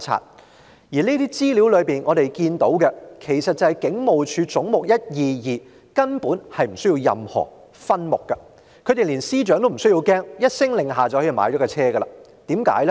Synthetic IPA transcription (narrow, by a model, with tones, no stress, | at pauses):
t͡sʰa̰ː˧˩t̚ | jiː˨˩leː˥t̪iː˥t͡siː˥li˨˥wlɵ˨˧ɥpiː˨nʔɔː˨˧ɾe˨jkiː˧nt̪o˨˥wkɛ˧kʰe˨˩jsɐ˨t̚t͡sɐ˨˧hɐ˨jkɪ˨˥ŋmo˨wt͡ʃʰyː˨˧t͡sʊ˨˥ŋmʊ˨k̚jɐ˥t̚jiː˨˧jiː˨˩ | kɐ˥npuː˨˥nhɐ˨jm̩˨˩sɵ˥ji˧wjɐ̰˨mhɔ̰ː˨˩ | fɐ˥nmʊ˨k̚ːɐ˧ | kʰɵ˨˧t̪e˨˩liː˨˩nsiː˥t͡ʃœː˨˧˥ŋt̪o˥m̩˨˩sɵ˥ji˧wkɛː˥ŋjɐ˥t̚sɪ˥ŋlɪ˨ŋɦaː˨t͡sɐ˨˧whʰi˧˩ma̰ː˨˥jt͡ʃɔː˨˥kːɛ˧t͡sʰɛː˥ɡɐ˧la̰ː˧ | t̪iː˨˥mka̰ː˨˥jlɛ˥